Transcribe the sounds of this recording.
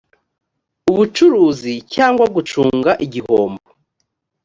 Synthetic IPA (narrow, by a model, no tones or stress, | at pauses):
uβut͡ʃuɾuːzicaːŋɡwaɡut͡ʃuːŋɡaʔiɟihoːmbo